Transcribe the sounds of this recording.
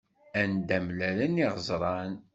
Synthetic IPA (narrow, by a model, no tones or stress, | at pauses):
ænd̪æmlæləniʁəzˤɾˤɑn